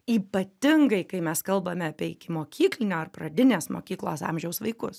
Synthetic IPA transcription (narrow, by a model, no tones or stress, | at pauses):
iːpɐt̪ʲɪŋɡɐɪkɐɪmʲɛskɐlˠbɐmʲɛɐpʲiɛɪkʲɪmoːkʲʰiːklʲɪnʲoːɐrprɐd̪ʲɪnʲeːsmo̰ːkʲiːklˠoːsɑ̰mʲʒʲɛʊsʋɐɪkʊs